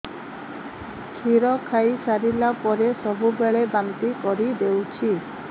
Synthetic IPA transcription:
kʰiɾɔkʰajsaɾilapɔɾesɔbʱubeɭebant̪ikɔɾid̪ewt͡ʃʰi

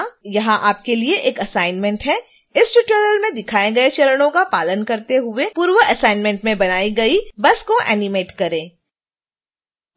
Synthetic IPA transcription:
jɐɦãʔaːp̚kelieʔeːkɐsaːɪnmɛ̃ɳʈɦɛ | ɪsʈʊʈəɾəlmẽd̪ɪkʰaːẽɡɐet͡ʃɐləɽ̃õkapaːlənkɐɾt̪eɦʊepuːɾʋəɐsaːɪnmɛ̃ɳʈmẽbɐnaːiɡɐibɐskoʔɛ̰ːnɪmeːʈkɐɾẽː

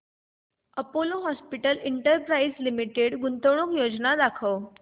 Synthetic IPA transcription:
əpoloɦɔspiʈəliɳʈəɾpɾaizlimiʈeɽɡunt̪əwɳ̃okjod͡znad̪akʰəw

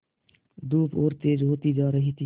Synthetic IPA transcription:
d̪uːpʰoːɾt̪eːd͡ʒɦoːt̪id͡ʒaːɾəɦit̪ʰi

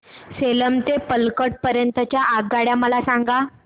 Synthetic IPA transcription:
seləmt̪epəlkəʈ̚pəɾjənt̪ət͡ɕjaʔaɡːaɽjaməlasaŋɡa

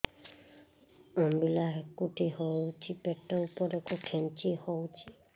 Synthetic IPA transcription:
ɔmbilaɦekuʈʰihowt͡ʃʰipeʈːɔupɔɾekukʰent͡ʃʰihowt͡ʃʰi

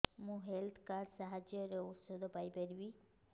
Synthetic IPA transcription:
mũɦelt̪ʰkaɾsaɦad͡ʒjɔɾeut̪sod̪ʱopajpeɾbi

